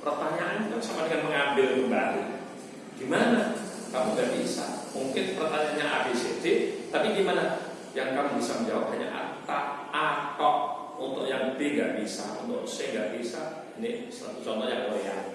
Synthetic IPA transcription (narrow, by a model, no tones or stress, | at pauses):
pərt̪aɲaʔːnajasamadəŋanməŋambɪlkəmbali | ɡ̥imana | kamuŋɡaʔbisa̰muŋkɪnpərt̪aɲaːnɲaʔabisit̪ɪt̪apiɡimana | jaŋkamibisaməɲd͡ʒawap̚haɲa̰ʔa̰t̪a | akɔʔ̚ | unt̪ʊʔjaŋəbeŋɡa̰ʔbisa̰ṵnt̪ʊkseŋɡaʔb̥isa | nɪsa̰t̪ut͡ʃɔnt̪ɔhjaŋolea̰